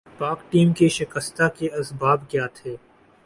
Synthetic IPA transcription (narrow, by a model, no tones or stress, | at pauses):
paːkʈiːmkeʃɪkəst̪akeɐsbaːbkjaːt̪ʰeː